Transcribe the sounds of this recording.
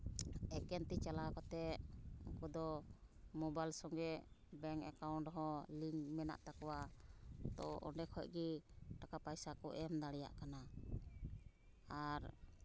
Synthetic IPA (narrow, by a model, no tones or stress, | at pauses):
ɛkɛnt̪it͡ʃalakɔt̪ɛuŋkud̪ɔmɔbajlsɔŋɡɛʔbɛŋɛkawɳʈɦɔliŋmɛna̰ʔt̪akɔwat̪ɔɔ̰ɳɖɛkʰɔc̚ˀɡiʈakapajsakɔʔɛmd̪aɽɛja̰ʔkana | aɾ